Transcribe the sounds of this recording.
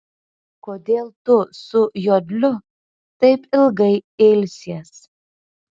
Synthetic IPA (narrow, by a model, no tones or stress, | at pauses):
koːd̪ʲeːlˠt̪ʊsʊjoːd̪ʲlʲʊ | t̪ɐɪpɪlˠɡɐɪeːlʲsʲeɛs